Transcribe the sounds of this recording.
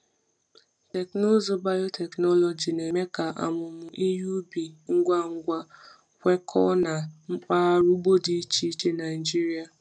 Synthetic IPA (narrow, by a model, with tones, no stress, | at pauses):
te˨kno˦zo˦ba˦jo˦tʰe˨knɔ˦lɔ˨d͡ʒi˨ne˨me˦ka˨ʔa̰˨mʊ˨mʊ˨ʔi˦ju˦bi˨ŋ̩˦ɡʷa˦ŋ̩˦ɡʷa˦ | kʷe˦kʰɔ˦na˨ŋ͡m̩˦k͡pa˦a˦ɾu˦ɡ͡bo˦di˨i˦t͡ʃi˦i˦t͡ʃe˦na˨ɪ˨d͡ʒi˦ɾi˦a˨